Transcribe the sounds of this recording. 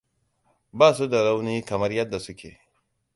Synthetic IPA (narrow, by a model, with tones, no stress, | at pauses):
baː˦˨su˦da˨ɽa˦wniː˦kɐ˨mɐ˦rjɐ˦dːa˨sʊ˦kʲʰḛː˨